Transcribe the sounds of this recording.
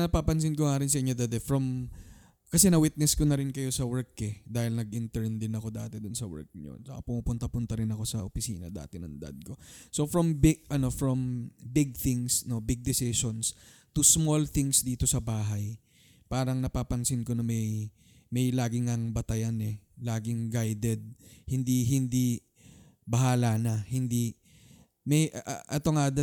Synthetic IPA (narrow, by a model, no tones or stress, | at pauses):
nɐpaːpɐns̬ɪnkoŋaːɾɪns̬ɐɪɲod̪ɐd̪ɛfɾɐm | kɐsɛnɐwɪt̪̚nɛskonɐɾɪnkɐjo̞sɐwɛɹkːɛd̪aːhɪlnɐɡʔɪnt̪ɛɹnd̪ɪnɐko̞d̪a̰ːt̪ɛd̪ʊnsɐwɛ̰ɹk̚ɲo̰t͡ʃɐka̰pʊmuːpʊnt̪ɐpʊnt̪ɐɾɪnɐko̞sɐʔopɪsḭːnɐ̰d̪a̰ːt̪ɪnɐ̰ŋd̪ɐ̰d̪̚ko̞so̞fɹɐmbɪɡʔɐno̞fɹɐmbɪɡ̚θɪŋsno̞bɪɡ̚d̪ɪsɪʃons | t̪ʊsmolθɪŋsd̪iːt̪o̞sɐbaːɦɐj | paːɾɐŋnɐpaːpɐnsɪnko̞nɐmɐj | mɐjlaːɡɪŋɐŋbɐt̪ɐjanɛlaːɡɪŋɡajd̪ɛd̪̚hɪnd̪iɦɪnd̪i | bɐɦaːlanɐhɪnd̪i | mɐjʔʔɛt̪o̞ŋad̪ɐ